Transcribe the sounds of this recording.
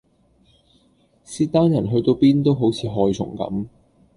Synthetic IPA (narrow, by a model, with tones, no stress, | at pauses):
siː˧t̪aː˥njɐ˨˩nɦɵ˧ɥt̪o˧wpiː˥nt̪o˥wɦo˨˥wt͡sʰiː˨˧ɦɔː˧jt͡sʰʊ̰˨˩ŋkɐ̰˨˧˥m